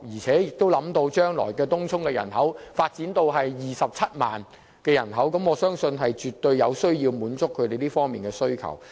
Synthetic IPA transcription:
jiː˨˩t͡sʰɛː˨˥jɪ˨k̚t̪o˥wlɐ˨˥mt̪o˧wt͡ʃœː˥ŋlɔ̰ː˨˩jkɛː˧t̪ʊ˥ŋt͡sʰʊ˥ŋkɛː˧jɐ̰˨˩nhɐ˨˥wfaː˧t̚t͡siː˨˥nt̪o˧wɦɐ˨jjiː˨sɐ˨p̚t͡sʰɐ˥t̚ma̰ː˨n | kɛː˧jɐ̰˨˩nɦɐ˨˥wkɐ˨˥mɔː˨˧sœː˥ŋsɵ˧nɦɐ˨jt͡ʃyː˨t̪ːɵ˧ɥjɐ˨˧wsɵ˥ɥjiː˧wmuː˨˥nt͡sʊ˥kʰːɵ˨˧ɥt̪e˨jliː˥fɔː˥ŋmiː˨nkɛː˧sɵ˥ɥkʰɐ̰˨˩w

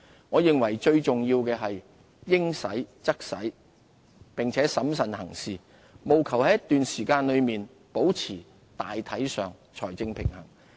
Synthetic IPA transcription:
ŋɔː˨˧jɪ˨ŋwɐ˨˩jt͡ʃɵ˧ɥt͡sʊ˨ŋjiː˧wkɛː˧ɦɐ˨j | jɪ˥ŋsɐ˨˥jt͡sɐ˥k̚sɐ˨˥j | pɪ˨ŋt͡sʰɛː˨˥sɐ˨˥msɐ˨nhɐ˨˩ŋsiː˨ | mo˨wkʰɐ˨˩whɐ˨˦jɐ˥t̪yː˨nsiː˨˩kaː˧nlɵ˨˧ɥmiː˨n | po˨˥wt͡sʰiː˨˩ | t̪aː˨jt̪ʰɐ˨˥jsœː˨ŋ | t͡ʃʰɔː˨˩jt͡sɪ˧ŋpʰɪ̰˨˩ŋhɐ̰˨˩ŋ

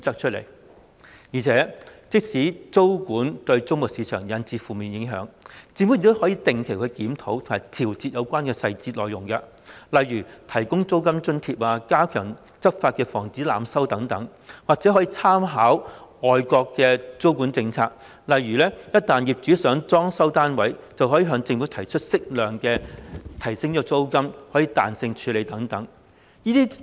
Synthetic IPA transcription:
t͡sɐ˥k̚t͡ʃʰɵ˥t̚lḛ˨˩j | jiː˨˩t͡sʰɛː˨˥t͡sɪ˥k̚siː˨˥t͡so˥wkuː˨˥nt̪ɵ˧ɥt͡sʊ˥ŋmʊ˨k̚siː˨˧t͡ʃʰœː˨˩ŋjɐ˨˧nt͡siː˧fuː˨miː˨˩njɪ˨˧˥ŋɦœ̰ː˨˥ŋt͡siː˨˥mu˨˥˨kt̪ːhɔː˨˥jiː˧t̪ɪ˨ŋkʰe˨˩jkʰɵ˨˧ɥkiː˨˥mt̪ʰo˨˥wt̪ʰʊ˨˩maː˨˩t̪ʰiː˨˩wt͡siː˧t̚jɐ˨˧wkʷaː˥nkɛː˧sɐ˧jt͡siː˧t̚lɔː˨jʊ˨˩ŋkɐ˧ | lɐ˨jɥyː˨˩t̪ʰɐ˨˩jkʊ˥ŋt͡so˥wkɐ˥mt͡ʃɵ˥nt̪ʰiː˧p̚aː˧kaː˥kʰœː˨˩ŋ | t͡sɐ˥p̚faː˧t̚kɛː˧fɔ̰ː˨˩ŋt͡siː˨˥la̰ː˨msɐ˥wt̪ɐ˨˥ŋt̪ɐ˨˥ŋ | waː˨k̚t͡sɛ˨˥ɦɔː˨˥jiː˨˧t͡sʰaː˥mɦaː˨˥wɔː˨jkʷɔː˧kːɛː˧t͡so˥wkuː˨˥nt͡sɪ˧ŋt͡sʰaː˧k̚ | lɐ˨jɥyː˨˩lɛː˥jɐ˥t̚t̪aː˨njiː˨˩p̚t͡syː˨˥sœː˨˥ŋt͡sɔː˥ŋsɐ˥wt̪aː˥nwɐ˨˥jt͡sɐ˨wɦɔː˨˥ji˧˥ɦœː˨˧˥ŋt͡sɪ˧ŋfu˨˥t̪ʰɐ˨˩jt͡ʃʰɵ˥t̚sɪ˥k̚lœː˨ŋkɛː˧t̪ʰɐ˨˩jsɪ˥ŋjɔ˥t͡so˥wkɐ˥mhɔ˨˥jiː˨˧t̪aː˨nsɪ˧ŋt͡ʃʰyː˨˥le˨˧jt̪ɐ˨˥ŋt̪ɐ˨˥ŋ | jiː˥t̪iː˥

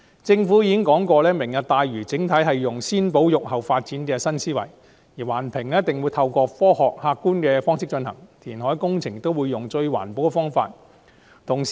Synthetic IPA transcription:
t͡sɪ˧ŋfu˨˥jiː˨˧kɪ˥ŋkɔː˨˥ŋkɔː˧lɛː˥mɪ˨˩ŋjɐ˨t̚t̪aː˨jɥyː˨˩t͡sɪ˨˥ŋt̪ʰɐ˨˥jɦɐ˨jːʊ˨˩ŋsiː˥npo˨˥wjʊ˨k̚hɐ˨wfaː˧t̚t͡siː˨˥nkɛː˧sɐ˥nsiː˥wɐ̰˨˩j | jiː˨˩waː˨˩npʰɪ˨˩ŋlɛː˥t̪ɪ˨˩ŋwu˨˧jt̪ʰɐ˧wkɔː˧fɔː˥hɔː˨k̚haː˧kːuː˥nkɛː˧fɔː˥ŋsɪ˥k̚t͡ʃɵ˧nhɐ̰˨˩ŋt̪ʰiː˨˩nɦɔː˨˥jkʊ˥ŋt͡sʰɪ˨˩ŋ̚t̪ːo˥wuː˨˧jːʊ˨ŋt͡ʃɵ˧ɥwa̰ː˨˩npo˨˥wkɛ˧fɔː˥ŋfa̰ː˧t̚ | t̪ʰʊ˨˩ŋ

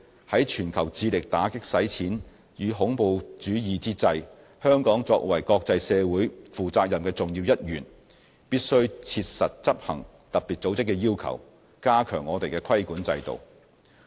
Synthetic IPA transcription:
hɐ˨˥jt͡ʃʰyː˨˩nkʰɐ˨˩wt͡siː˧lɪ˨k̚t̪aː˨˥kɪ˥k̚sɐ˨˥jt͡sʰiː˨˥n | jyː˨˧ɦʊ˨˥ŋpo˧wt͡ʃyː˨˥jiː˨t͡siː˥t͡sɐ˧j | hœː˥ŋkɔː˨˥ŋt͡sɔː˧k̚wɐ˨˩jkɔː˧k̚t͡sɐ˧jsɛː˨˧wuː˨˥jfuː˨t͡saː˧k̚jɐ˨mkɛː˧t͡sʊ˨ŋjiː˧wjɐ˥t̚jyː˨˩n | piː˥t̚sɵ˥ɥt͡sʰi˧t̚sɐ˨t̚t͡sɐ˥p̚hɐ˨˩ŋ | t̪ɐ˨piː˨t̚t͡so˨˥wt͡sɪ˥kːɛː˧jiː˥wkʰɐ̰˨˩w | kaː˥kʰœ̰ː˨˩ŋːɔː˨˧t̪e˨jkɛː˧kʰɐ˥jkuː˨˥nt͡sɐ̰˧jt̪o̰˨˩w

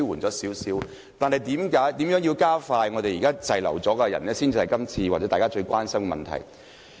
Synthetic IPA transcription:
wuː˨˩nt͡sɔː˨˥siː˨˥wsiː˨˥w | t̪aː˨nhɐ˨jt̪iː˨˥mkaː˨˥jt̪i˨˥mjœː˨˥ŋjiː˧wkaː˥faː˧jŋɔ˨˧t̪e˨jiː˨kaː˥t͡sɐ˨jlɐ̰˨˩wt͡sɔː˨˥kaː˧jɐ̰˨˩nɛː˥siː˥nt͡siː˧hɐ˨jkɐ˥mt͡sʰiː˧waː˨˩ɛ˨˦˥aː˨kaː˥t͡ʃɵ˧ɥkʷwaː˥nsɐ˥mkɛ˨˧mɐ̰˨nt̪ʰɐ̰˨˩j

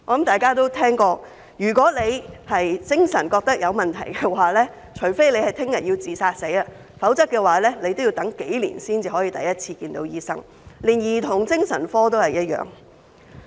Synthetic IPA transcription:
ɔ˨˧lɐ˨˥mt̪aː˨˩jkaː˥t̪o˥wt̪ʰɛː˥ŋkɔː˧ | jyː˨˩kɔː˨˥le˨˧jhɐ˨jt͡sɪ˥ŋsɐ˨˩nkɔː˧k̚t̪ɐ˥k̚jɐ˨˧wmɐ˨˩nt̪ʰɐ̰˨˩jkɛ˧waː˨lɛː˥ | t͡ʃʰɵ˨˩fe˥jle˨˧jhɐ˨˩jt̪ʰɪ˥ŋjɐ˨t̚jiː˧t͡siː˨˩saː˧t̚se˨˥jɐ˧ | fɐ˨˥wt͡sɐ˥k̚ːɛː˧waː˨˧lɛː˥le˨˧jt̪o˥wjiː˧wt̪ɐ˨˥ŋke˨˥jlḭ˨˩nsiː˥nt͡siː˨˧ɦɔː˨˥jiː˧t̪ɐ˨jɐ˥t̚t͡sʰiː˧kiː˧nt̪o˨˧wjiː˥sɐ̰˥ŋ | liː˨˩njiː˨˩t̪ʰʊ˨˩ŋt͡sɪ˥ŋsɐ˨˩nfɔː˥t̪o˥whɐ˨jɐ˥t̚jœ̰ː˨ŋ

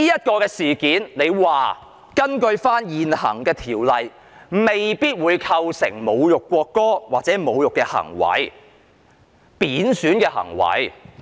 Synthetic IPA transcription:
iː˥jɐ˥t̚kɔː˧kɛː˧siː˨˩kiː˨˥nle˨˧jwaː˨ | kɐ˥nkɵ˧ɥfaː˥njiː˨nhɐ̰˨˩ŋkɛː˧t̪ʰiː˨˩wlɐ˨j | me˨jpiː˥t̚wuː˨˧jkʰɐ˧wsɪ̰˨˩ŋmo˨˧wjʊ˨kʷːwɔː˧kːɔː˥waː˨t̚t͡sɛː˨˥mo˨˧wjʊ˨kːɛː˧hɐ̰˨˩ŋwɐ̰˨˥j | piː˨˥nsyː˨˥nkɛː˧hɐ̰˨˩ŋwɐ̰˨˥j

